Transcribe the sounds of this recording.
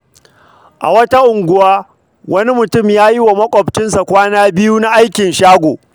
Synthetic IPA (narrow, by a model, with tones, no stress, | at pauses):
ʔa̰˨wɐ˦ta˦ʔʊ˨ŋɡʷʊ˦waː˦ | wɐ˦ni˦mʊ˨tʊ˦mjaː˦ji˦wa˨mɐ˦kʷʼɔ˨bt͡ʃɪ˦nsa˨kʷaː˦naː˦bɪ˦juː˦na˦ʔa˦jkʲɪ˨nʃaː˦ɡʷoː˨